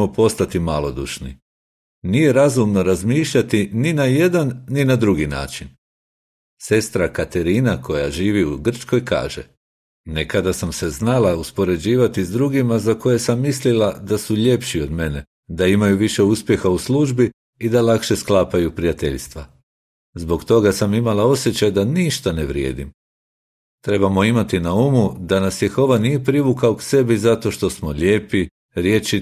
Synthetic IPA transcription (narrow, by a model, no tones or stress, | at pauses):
opo̞st̪at̪imalˠo̞d̪ṵʃnḭ | nije̞ɾazumno̞ɾazmiːʃʎat̪ininaje̞d̪anːinad̪ɾuɡina̰ːt͡ʃin | se̞st̪ɾakat̪e̞ɾiːnakʰo̞jaʒiːʋiuɡr̩t͡ʃko̞jka̰ːʒe̞̰ | ne̞kad̪asamse̞znalauspo̞ɾe̞d͡ʑiːʋat̪izd̪ɾuɡimazako̞je̞samːislilad̪asuʎe̞pʃio̞d̪me̞ne | d̪aimajuʋiʃe̞uspje̞xausluʒbi | id̪alˠakʃe̞sklˠaːpajupɾijat̪e̞ʎst̪ʋa̰ | zbo̞kt̪o̞ɡasamimalao̞sje̞t͡ɕajd̪aniʃt̪aneʋɾje̞̰ːd̪ḭm | t̪ɾe̞bamo̞imat̪inaumud̪anasjexo̞ʋanije̞pɾiʋukaokse̞bizat̪o̞ʃt̪o̞smoʎe̞ːpi | ɾje̞ːt͡ʃi